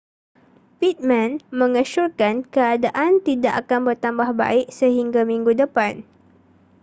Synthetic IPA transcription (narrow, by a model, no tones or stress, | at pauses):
pit̪̚mãnmə̃ŋəʃurkankəadaʔant̪idaʔakanbərt̪ambahba̰ɪʔsəɦiŋɡamiŋɡudəpan